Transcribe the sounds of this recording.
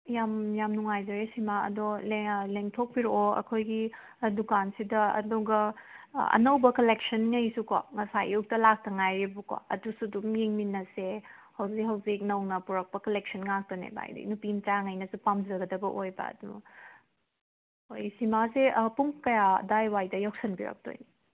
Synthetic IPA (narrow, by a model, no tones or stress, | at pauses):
jamjamnuŋajzɐɾesimaɐ̰dɔleleŋtʰok̚piɾooɐ̰kʰojɡi | dukansidɐɐ̰duɡɐɐ̰nɐwbɐkɐlek̚sɐnŋɐjsuko̰ŋɐsajuk̚tɐlak̚tɐŋajɾibuko̰ɐ̰dusudumjeŋminːɐsehɐwzikɦɐwzik̚nɐwnɐpuɾɐk̚pɐkɐlek̚sɐnŋak̚tɐnḛba̰jdḭnupintaŋɐjnɐsupamzɐɡɐdɐbɐʔojbɐ̰du | ojsimasepuŋkɐja̰dajwajdɐjaksɐnbiɾɐ̰k̚to̰jni